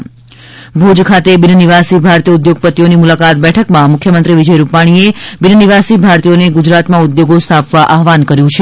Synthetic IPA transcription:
bʱud͡ʒkʰat̪ebɪnniʋasibʱaɾt̪ijəʊd̪joɡ̚pət̪ːijonimulakat̪̚bɛʈʰəkmãmʊkʰjəmənt̪ɾiʋid͡ʒəjɾupaɽ̃iebɪnəniʋasibʱaɾt̪ijoneɡʊd͡ʒɾat̪mãud̪joɡost̪ʰapʋaʔaɦʋankəɾjũt͡ʃʰe

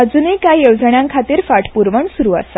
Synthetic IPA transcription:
əd͡zunikajeʋd͡zəɳjãŋkʰat̪iːɾfaʈpuɾʋəɳsuɾuːa̰sa

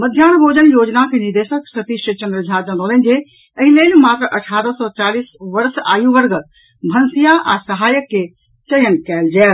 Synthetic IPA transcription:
mɐd̪ʱjaːɳbʱoːd͡ʒənjoːd͡ʒnakenɪɾd̪eːʃəksɐt̪iʃət͡ʃɐ̃nd̪ɾəd͡ʒʱaːd͡ʒənoːlẽnd͡ʑe | əɦileːlmaːt̪ɾəʔɐʈʰaːɾəsɔːt͡ʃaːliːsʋɐɾsa̰ːjũʋɐɾɡət̪ | bʱɐnsijaʔa̰sɐɦaːjəkːe | t͡ʃɐjənkɛːld͡ʒɛːl

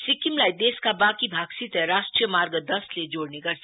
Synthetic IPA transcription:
sikimlajd̪eskabakibʱaɡsit̪əɾaʃʈɾijəmaɾɡəd̪ʌsled͡ʒoɽneɡəɾsʰ

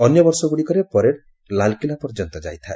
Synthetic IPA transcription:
ɔnjɔbɔɾsɔɡuɽikɔɾepɔɾeɽ | lalkilapɔɾd͡ʒɔnt̪ɔd͡ʒa̰jt̪ʰae

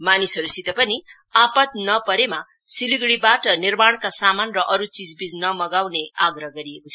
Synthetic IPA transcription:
manisʌɾusit̪ʌpʌni | apʌt̪̚nʌpʌɾema | siliɡɽibaʈʌnirmaɽ̃kasamanrʌʔʌɾut͡sid͡zbid͡znʌmʌɡawneaɡrʌɦɡʌɾijekot͡sʰ

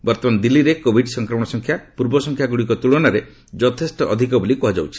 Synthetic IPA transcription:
bɔɾt̪ɔmand̪ilːiɾekobʱiɖsɔŋkɾɔmɔɽ̃ɔsɔŋkʰjapuɾbɔsɔŋkʰjaɡuɽikɔt̪uɭɔnaɾe | d͡ʒɔt̪ʰesʈɔʔɔd̪ʱikɔbulikɔɦad͡ʒawt͡ʃʰi̥

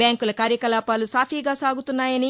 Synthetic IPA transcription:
bjaːŋkulɐkaːɾjɐkɐlaːpaːlusaːpʰiːɡaːsaːɡut̪unːaːjɐni

